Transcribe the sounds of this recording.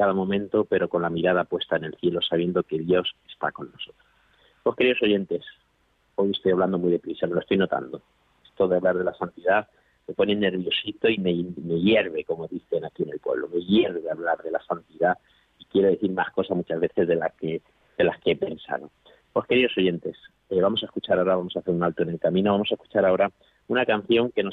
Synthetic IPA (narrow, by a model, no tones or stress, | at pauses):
kaðamomẽnt̪o̞pe̞ɾo̞ko̞nlamiɾað̞apwe̞st̪aene̞lθje̞lo̞saβje̞nd̪oke̞ðjo̞se̞̥st̪a̰ko̞nːo̞so̞t̪ɾoss | po̞skeɾiðo̞soʝe̞nt̪e̞s | o̞je̞st̪ojaβland̪o̞mujðe̞pɾisamelost̪ojnot̪a̰nd̪o̞ | est̪o̞ðeaβlaɾðe̞lasant̪iða | me̞po̞nene̞ɾβ̞jo̞sit̪o̞ime̞me̞ʝe̞ɾβe̞ko̞mo̞ðiθe̞nakie̞ne̞lpwe̞̰βlo̞me̞ʝe̞ɾβeaβlaɾðe̞lasant̪iða | ikje̞ɾo̞ðe̞θiɾmasko̞sazmut͡ʃazβe̞θe̞zðe̞lake | ðe̞laskeepe̞nsa̰ðo̞ | po̞ske̞ɾiðo̞so̞ʝe̞nt̪e̞s | eβamo̞saeskut͡ʃaɾao̞ɾaβamosaθe̞ɾunalt̪oe̞ne̞lkamĩno̞βamo̞saesku̥t͡ʃaɾao̞ɾa | unakan̟θjo̞ŋke̞no